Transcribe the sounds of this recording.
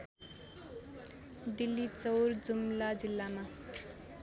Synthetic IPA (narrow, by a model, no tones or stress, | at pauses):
d̪ilːit͡sʌwrd͡zumlad͡zilːama